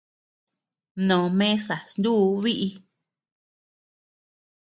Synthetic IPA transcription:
nõ˨mẽ˦sa˨snd̪u˦˧˦βi˦ʔi˧

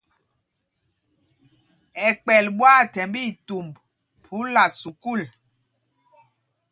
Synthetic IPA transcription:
ɛ˨k͡pɛ˨lɓwa˦˨tɛ˨mbi˦˨tu˨mb | pʰu˨˦la˨su˨ku˦˨l

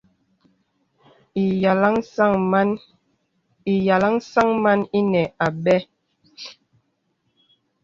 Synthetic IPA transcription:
i˨ja˨la˦ŋ˦a˦ŋ˦n | i˨ja˨la˦ŋ˦sa˦ŋma˦ni˦nɛ˨a˨ɓɛ˦

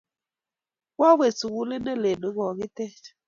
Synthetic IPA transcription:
wa˦we˨su˨wu˦le˦ne˦le˨no˨˦ɣɔ˨ɣi˦te˦

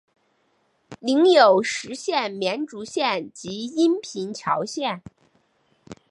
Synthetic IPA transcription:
li˧˥ŋjo˨˩ʊʂɻ̩˧˥ɕjɛ˥˩nmjɛ˧˥nʈ͡ʂu˧˥ɕjɛ˥˩nt͡ɕi˧˥i˥npʰi˧˥nt͡ɕʰjɑ˧˥ʊɕjɛ˥˩n

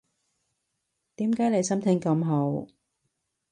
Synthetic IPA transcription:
t̪iː˨˥mkaː˨˥jle˨˧jsɐ˥mt̪ʰɪ˥ŋkɐ˧mɦo˨˥w

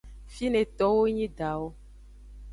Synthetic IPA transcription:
fi˦nẽ˨t̪ɔ˦wo˦ɲĩ˦ɖa˨wo˦

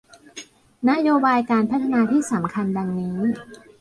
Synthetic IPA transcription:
na˦˥joː˧baː˧jkaː˧npʰa˦˥t̪ʰːa˧naː˧t̪ʰiː˥˩sa˩˦mkʰa˧nda˧ŋniː˦˥

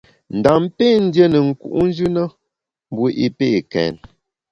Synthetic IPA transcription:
n̩˨da˨mpe˦˨n̩˦dje˦nə˨ŋ̩˨kṵ˨ʔn̩˦d͡ʒʉ˦nə˦ | m˨bu˦ʔi˦pe˦˨kɛ̰ː˨n

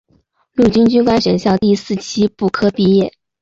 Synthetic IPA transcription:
lu˥˩t͡ɕy˥nt͡ɕy˥nkwa˥nʂə˧˥ŋɕjɑ˥˧ʊt̪i˥˧sɹ̩˥˩t͡ɕʰi˥pu˥˩kʰɤ˥pi˥˧jɛ˥˩

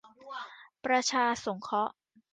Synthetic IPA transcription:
pɾa˧t͡ɕʰaː˧so˩˦ŋkʰɔ˦˥ʔ

